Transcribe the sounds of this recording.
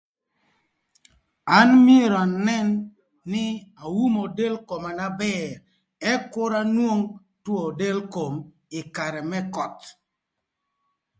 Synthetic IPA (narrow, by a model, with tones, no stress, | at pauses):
a˦nmje˦ɾo˨a˨nɛ˦nː | ɪ˦a˨wu˦mo˨de˦lko˨ma˨na˦bɛ˦ɾ | ɛ˦kʊ˦ɾa˦nwo˦ŋ | two˦˨de˦lko˨m | ɪ˨ka˨ɾɛ˨mɛ˦kɔ˨t